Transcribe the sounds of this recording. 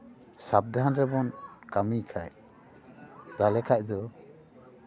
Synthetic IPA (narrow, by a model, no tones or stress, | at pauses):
sab̚d̪ʱanɾɛbɔnkamikʰaj | t̪alɛkʰaʔ̚d̪ɔ